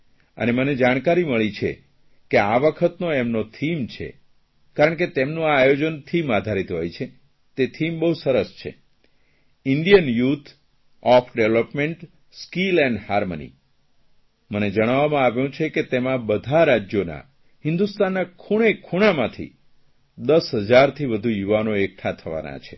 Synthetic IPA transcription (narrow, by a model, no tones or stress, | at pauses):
ə̰neməned͡ʒaɽ̃kaɾiməɭit͡ʃʰḛ | keaʋəkʰət̪noemnot̪ʰimt͡ʃʰḛ | kaɾəɳk̬et̪emnũaːjod͡ʒənt̪ʰimad̪ʱaɾit̪ɦo̰jt͡ʃʰe | t̪et̪ʰimbəɦusəɾəst͡ʃʰḛ | ɪɳɖijənjut̪ʰ | ɔfʰɖeʋləpmeɳʈ | skilɛnɖhaɾmənḭ | məned͡ʒəɽ̃aʋamãaʋjũt͡ʃʰeket̪emãbəd̪ʱaɾad͡ʒjona̰ | ɦɪnd̪ust̪anːakʰuɽ̃ekʰuɽ̃amãt̪ʰḭ | d̪əsɦəd͡ʒaɾt̪ʰiʋəd̪ʱujuʋanoek̚ʈʰat̪ʰəʋa̰na̰t͡ʃʰe